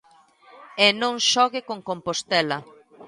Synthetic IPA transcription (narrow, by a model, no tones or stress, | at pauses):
enõŋʃɔɣɪkoŋkompost̪ɛlɐ